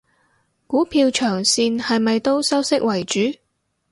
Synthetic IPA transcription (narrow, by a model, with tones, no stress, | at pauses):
kuː˨˥pʰiː˧wt͡ʃʰœː˨˩ŋsiː˧nhɐ˨jmɐ˨jt̪o˥wsɐ˥wsɪ˥k̚wɐ˨˩jt͡ʃyː˨˥